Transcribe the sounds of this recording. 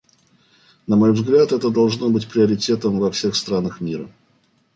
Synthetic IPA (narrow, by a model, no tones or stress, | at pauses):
nɐmo̞jvzɡlʲat̪ɛt̪əd̪ɐlˠʐno̞bɨtʲpɾʲɪəɾʲɪtʲe̞t̪əmvɐfsʲe̞xst̪ɾanəxmʲiɾə̰